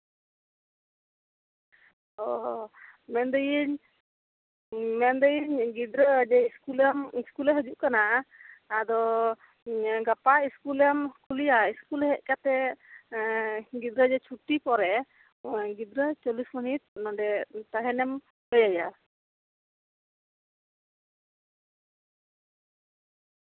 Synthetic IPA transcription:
ɔ | mɛnd̪əjiɲ | mɛnd̪əjiɲɡid̪ɾəd͡ʒɛiskuljamiskulɛɦəd͡ʒuʔkanaː | d̪ɔ | ɡapaiskuljamskulijaiskulhɛʔ̚kat̪ɛ | ɡid̪ɾad͡ʒɛt͡ʃʰuʈːipɔɾɛ | ɡid̪ɾat͡ʃɔlismɔnit̪̚nɔdɛt̪aɦɛnɛm | bəjaja

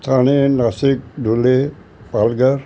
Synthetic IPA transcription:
t̪ʰaninasik̚dʱule | palɡəɾ

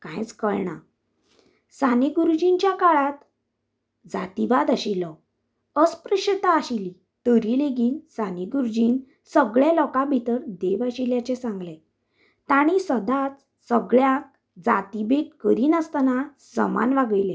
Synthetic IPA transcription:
kãjt͡skəɭɳa̰ | saniɡuɾud͡ʑint͡ɕjakaɭat̪ | d͡za̰t̪ibad̪aɕilɔ | əspɾəɕət̪aːɕili | t̪əɾileɡiːnsaniɡuɾud͡ʑiːn | səɡɭalɔkabʱit̪əɾd̪eʋaɕiljat͡ɕesãŋɡlɛ̃ | t̪aɽ̃isəd̪at͡s | səɡɭjãk̚ | d͡za̰t̪ibekkəɾiːnəst̪nasə̰ma̰nʋaɡəjlẽ

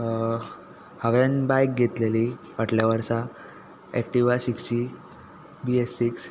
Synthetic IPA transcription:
haʋanbajk̚ɡʱet̪leli | ʋaʈʰljaʋəɾsa | ɛkʈiʋasiksi | biesːiks

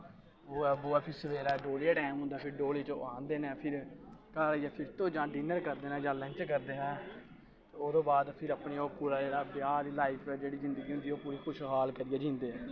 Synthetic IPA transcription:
oːɛboːaːpʰɪɾsəʋeːɾaɖoːleːaːʈɛːmɦʊ̃nd̪aːpʰɪɾɖoːleːt͡ʃõːãːnd̪eːnɛːpʰɪɾkaːɾijaːpʰɪɾt̪õːd͡ʒãːɖiːnəɾkəɾd̪eːnɛ̃ːd͡ʒãːlɛ̃nt͡ʃkəɾd̪eːnɛ̃ː | oːɾõːbaːd̪pʰɪɾəpɳiːoːpuːɾaːd͡ʒeːɽaːpjaːɾiːlaːɪpʰːd͡ʒeːɽiːzɪnd̪əɡiːɦʊ̃nd̪iːoːpuːɾiːkʰʊʃɦaːlkəɾɪjaːd͡ʒĩːnd̪eːɛ̃ː

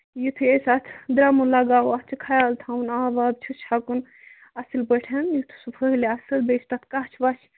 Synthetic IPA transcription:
jut̪ʰɨesat̪ʰd̪ɾaːmunlaɡaːuat͡ʃʰikʰajalt̪ʰawunaːbaːb̚t͡ʃʰut͡ʃʰakun | ɐsɨlbəʈʰɐnjut̪ʰu̥supʰəɦleɐsɨlbet͡ʃʰt̪at̪ʰkaɦt͡ʃʰʋat͡ʃʰ

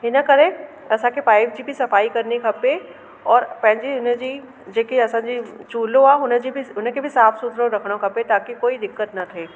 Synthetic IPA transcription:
ɦɪnəkɐɾẽ | ɐsãkepaːɪʋd͡ʒibʱisɐfaːikɐɾnikʰɐpe | ɔːɾpɛ̃ɦɪ̃nd͡ʒiʊnəd͡ʒi | d͡ʒeːkiɐsãːd͡ʒit͡ʃuːlõaʊnd͡ʒibʱiʊñkebʱisaːfʰsʊd̪ʱɾõɾɐkʰɽ̃õkʰɐpet̪aːkikoːid̪ɪkːət̪nɐt̪ʰeː

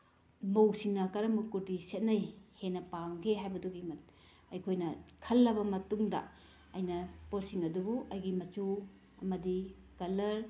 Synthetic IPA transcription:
mowsiŋnɐkɐɾɐmukuɾdiset̚najhenːɐpawɡʰeɦajbɐduɡimɐ | ɐjkʰojnɐkʰɐlːɐbɐmɐtuŋdɐ̰ | ɐjnɐpoɾsiŋɐdubuʔɐjɡimɐt͡ʃu | ɐmɐdi | kɐlɐɾ

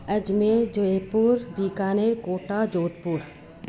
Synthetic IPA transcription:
ɐd͡ʒmed͡ʒoeːpuːɾbiːkaːneɾkoːʈad͡ʒoːt̪̚puːɾ

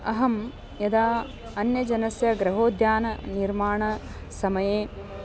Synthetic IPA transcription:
ɐɦɐm | jɐd̪aː | ɐnjɐd͡ʒɐnɐsjɐɡɾɐɦoːd̪ʱjaːnɐniɾmaːɳɐ | sɐmɐjeː

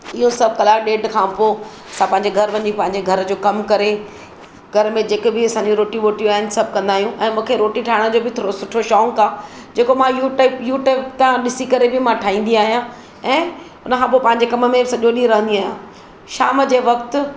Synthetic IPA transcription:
ɪɦosɐb̚ʱkɐlaːɗeːɖkʰãːpo | ɐsãpɐ̃ɦɪɲd͡ʑeɡʱɐɾʋɐɲipɐ̃ɦɪ̃ɲd͡ʑeɡʱɐɾd͡ʑoːkɐmkɐɾe | ɡʱɐɾmẽd͡ʑeːkbɪɐsãːɲd͡ʑũɾoːʈiʋoːʈijũaːɦɪnɪ̆sɐb̚ʱkɐ̃nd̪aːɦijũʔɛ̃ːmũːkʰeɾoːʈiʈʰaːɪɽ̃d͡ʑoːbɪt̪ʰoːɾosʊʈʰoʃɔːŋkaːd͡ʑeːkomãjuʈːɪpjuːʈeːpt̪ãɗɪsikɐɾebɪmãʈʰaːɦĩːn̆d̪iaːɦijã | ɛ̃ː | ʊnə̆kʰãːpoːpɐ̃ɦɪ̃ɲd͡ʑekɐməmẽsɐʄoɗĩɾɐɦə̃nd̪iaːɦjã | ʃaːmd͡ʑeːʋɐkt̪

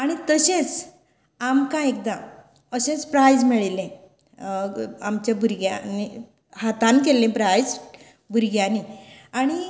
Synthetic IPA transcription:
aɽ̃it̪əɕẽt͡s | amkãek̚d̪ã | əɕẽt͡spɾajd͡zmiɭlẽ | amt͡ɕabʱuɾɡjani | hat̪ãnk̬elːẽpɾajd͡z | bʱuɾɡjaniaɽ̃i

